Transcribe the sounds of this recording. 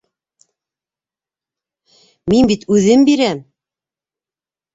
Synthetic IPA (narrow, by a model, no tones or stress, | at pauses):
minbit̪ʉðɘmbiɾæm